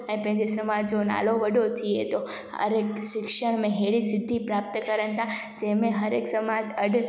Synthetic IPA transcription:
ənepɛ̃d͡ʒesəmad͡ʒona̰loʋəɖot̪ʰiet̪o | ə̰ɾekʃɪkʃəɳ̃mẽɦeɾisɪd̪ʱːipɾap̚t̪əkəɾəɳt̪a | d͡ʒemẽɦəɾeksəmad͡ʒəɖ

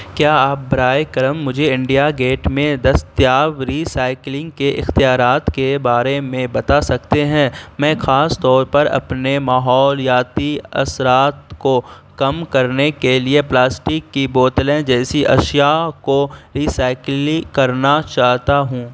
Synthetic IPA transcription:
kjaːaːp̚bɾaːekɐɾəmːʊd͡ʒʱeɪ̃ɳɖijaɡeːʈmẽd̪ɐst̪jaːʋɾiːsaːɪklɪ̃ŋɡ̚keʔɪxt̪ijaːɾaːt̪kebaːɾemẽbɐt̪asɐkt̪eɦɛ̃mɛ̃ːxaːst̪ɔːɾpɐɾɐ̰pnemaːɦɔːljaːt̪iɐ̰sɾaːt̪ko | kɐmkɐɾnekelieplaːsʈɪkːiboːt̪lɛ̃d͡ʒɛːsiʔɐʃjakoɾiːsaːɪklikɐɾnat͡ʃaːɦt̪aɦũː

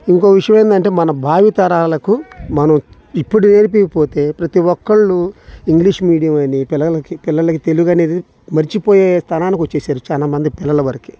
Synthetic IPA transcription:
iŋko̞ːʋiʂɐjɐ̃meːnd̪ɐɳʈe̞ːmɐnɐbʱaːʋit̪ɐɾaːlɐkumɐnɐm | ipːuɽune̞ːɾip̬iʋipo̞ːt̪e̞ːpɾɐt̪iwɔkːɐɭːuiŋɡliʂmiːɽijɐmɐnipilːɐɐkipilːɐlɐkit̪eluɡɐne̞ːd̪i | mɐɾit͡ʃipoːjeːst̪ʰɐnaːnikʋɐt͡ʃːe̞ːsaːɾut͡ʃaːlaːmɐnd̪ipilːɐlɐʋɐɾɐki̥

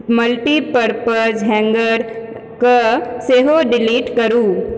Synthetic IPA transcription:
mɐlʈipəɾpəɾzɦɛ̃ːŋɡəɾ | kaseːɦoɖɪliːʈkɐɾuː

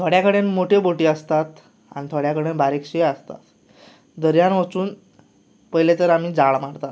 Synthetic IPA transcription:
t̪ʰoɽjakəɽenmoʈʰeboʈiːəst̪at̪ | a̰ñit̪ʰoɽjakəɽenbaɾekɕeəst̪a̰t̪ | d̪əɾjanʋət͡suːn | pəjlet̪əɾam̤iːd͡zaɭmaɽt̪at̪

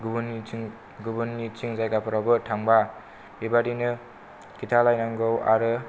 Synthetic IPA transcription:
ɡubn | ɡubɯnːit͡ʃiŋzajɡapʰɔɾabɯtʰaŋba | ibadinɯ | kitʰalajnaŋɡowa̰ɾɯ

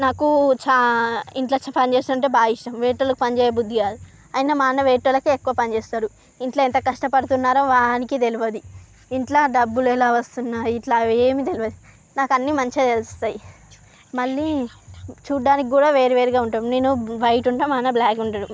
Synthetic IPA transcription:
naːkut͡ʃaiɳʈlaːt͡ʃpɐnit͡ʃeːst̪unɐɳʈeːbaːiʂʈɐmʋeːʈːɐlɐkupɐnid͡ʒeːjebud̪ʱːiaːlu | ɐjinaːmaːnɐʋeːʈːɐlɐkuekːuʋɐpɐnit͡ʃeːst̪aːɾu | iɳʈlaent̪ɐkɐʂʈɐpɐɽut̪unːaːɾoːʋaːnikit̪eluʋɐd̪i | iɳʈlaːɖɐbːulɛlaːʋɐst̪unːaːiʈlaːeːmit̪eluʋɐd̪i | naːkɐnːimɐɲt͡ʃet̪elust̪aːji | mɐɭːi | t͡ʃuːɖːaːnikikuːɽaːʋe̞ːɾeʋeːɾiɡaːuɳʈaːmne̞ːnuʋɐjʈuɳʈaːmaːnɐblaːkuɳɖɐɽu

